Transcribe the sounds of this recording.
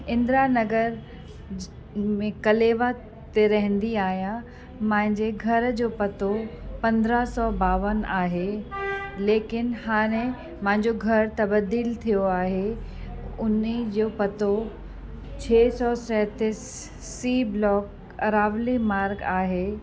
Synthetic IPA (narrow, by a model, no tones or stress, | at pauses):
ɪ̃nd̪ɾanɐɡəɾ | mẽkɐleːʋa | t̪eɾɐɦɪ̃nd̪iaːɦijã | mɐ̃ɦɪ̃ɲd͡ʑeɡʱɐɾd͡ʑoːpɐt̪opɐ̃nd̪ɾəɦsɔːbaːʋənaːɦe | leːkɪnhaːɽ̃ẽ | mɐ̃ɦɪ̃ɲd͡ʑoɡʱɐɾt̪ɐbəd̪ilt̪ʰijoaːɦe | ʊnid͡ʑoːpɐt̪o | t͡ɕʰeːsɔːsɛːt̪ɪsː | iːblɔːk | ɐɾaːʋlimaːɾɡaːɦeː